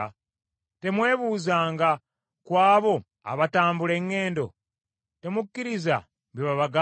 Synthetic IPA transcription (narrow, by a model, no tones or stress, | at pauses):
te̞mwe̞ːβuːzaːŋɡa | kwaːβo̞ | a̰βataːmbule̞ŋːe̞ːndo̞̰ | te̞mukːiɾiza̰ | βjiβaβaɡa